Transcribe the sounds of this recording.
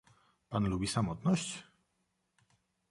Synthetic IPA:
panlubʲisamɔt̪nɔɕt͡ɕ

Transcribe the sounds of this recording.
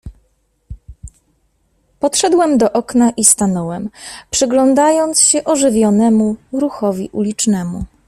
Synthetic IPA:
pɔt̪ʂɛd̪wɛmd̪ɔʔɔknaʔist̪anɔwɛmpʂɘɡlɔnd̪ajɔnt̪sɕɛʔɔʐɘvʲjɔnɛmuɾuxɔvʲiʔulʲit͡ʂnɛmṵ

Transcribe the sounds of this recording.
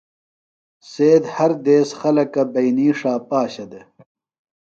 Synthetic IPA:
seːd̪hɐɾd̪eːsxɐlɐkɐbɐjniːʂaːpaːɕɐd̪e

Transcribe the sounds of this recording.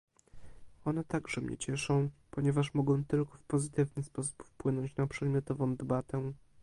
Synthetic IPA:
ɔnɛt̪aɡʐɛmɲɛ̰t͡ɕɛʂɔ̃w̃pɔɲɛvaʂmɔɡɔ̃w̃t̪ɘlkɔfpɔzɘt̪ɘvnɘspɔsu̥pfpwɘnɔɲt͡ɕnapʂɛd̪mʲjɔt̪ɔvɔ̃w̃d̪ɛbat̪ɛ

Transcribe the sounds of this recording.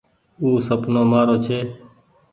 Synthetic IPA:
uːsəpnoːmaːɾoːt͡ʃʰeː

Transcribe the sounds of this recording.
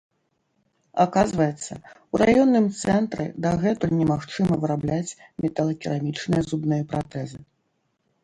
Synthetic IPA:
akazvɐjɛt̪sːɐuɾajɔnːɨmt̪sɛnt̪ɾɨ̰d̪aɣɛt̪unʲɛmaxt͡ʂɨmɐvɨɾablʲat͡sʲmʲɛt̪ɐlˠɐkʲiɾamʲit͡ʂnɨjɐzubnɨjɐpɾat̪ɛzɨ

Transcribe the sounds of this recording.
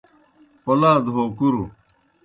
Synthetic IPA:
olaːd̪ɦokuɾu

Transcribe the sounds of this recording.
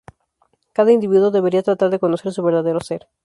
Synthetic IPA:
kaðaind̪iβiðwoðe̞βeɾiat̪ɾat̪aɾðeko̞noseɾsuβeɾðaðeɾoseɾ

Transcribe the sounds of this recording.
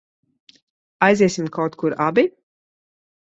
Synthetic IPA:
ajziɛsimkawt̪kuɾabi

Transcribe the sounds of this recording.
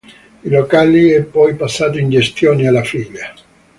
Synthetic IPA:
ilokaliɛpːɔjpasːaːt̪oind͡ʒest̪joːnealːafiʎːa

